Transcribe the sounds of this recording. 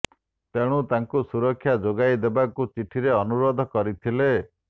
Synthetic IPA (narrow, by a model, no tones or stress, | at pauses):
t̪eɽ̃ut̪aŋkusuɾɔkʰːjad͡ʒoɡajd̪ebakut͡ʃiʈʰiɾeɔnuɾod̪ʱɔkɔɾit̪ʰile